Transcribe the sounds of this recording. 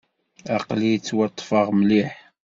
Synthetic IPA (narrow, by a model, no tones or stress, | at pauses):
ɑqlit͡sːwɑt̪ˤːfəʁmliħ